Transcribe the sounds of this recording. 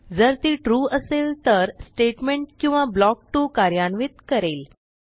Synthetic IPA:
d͡zəɾt̪iːʈɾuːəselt̪əɾsʈeʈmeɳʈ̚kĩw̃ʋablɔk̚ʈuːkaɾjaɳʋit̪kəɾel

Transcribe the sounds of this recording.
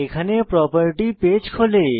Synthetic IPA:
ekʰanepɾɔpaɾiʈiped͡ʑkʰole

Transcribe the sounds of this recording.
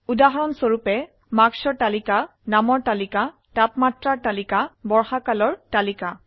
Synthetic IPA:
udaɦɔɹɔnsoɹupɛ | maksɔɹtalika | namɔɹtalika | tapmatɹaɹtalikabɔɹxakalɔɹtalika

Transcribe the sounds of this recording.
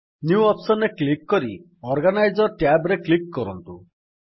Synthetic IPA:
njuɔpsɔneklikːɔɾi | ɔɾɡanajd͡ʒɔɾʈjabɾeklikːɔɾɔnt̪u

